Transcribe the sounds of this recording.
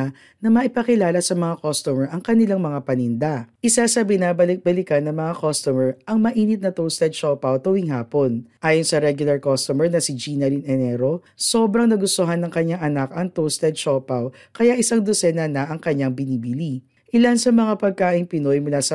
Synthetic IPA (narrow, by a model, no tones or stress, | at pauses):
nɐmɐʔɪpɐkɪlaːlɐsɐmɐŋakost̪omɛɹʔɐŋkɐnɪlaŋmɐŋapɐnɪnd̪aʔɪsasɐbɪnaːbɐlɪk̚bɐlɪkɐnːɐŋmɐŋakost̪omɛɹʔɐŋmɐʔiːnɪt̪̚nɐt̪owst̪ɛd̪̚ʃopɐwt̪owiŋɦaːpo̞nʔaːjonsɐɾɛɡjʊlɐɹkost̪omɛɹnɐsid͡ʒinɐlinɛnɛɾo̞ | so̞ːbɾɐŋnɐɡʊst̪ʊɦanːɐŋkɐɲaŋʔɐnakɐŋt̪owst̪ɛd̪ʃopaw | kɐjaʔɪsaŋd̪osɛnɐnɐʔɐŋkɐɲːaŋbɪniːbili | ʔɪlansɐmɐŋapɐɡ̚kaːʔɪŋpɪno̞jmulasɐ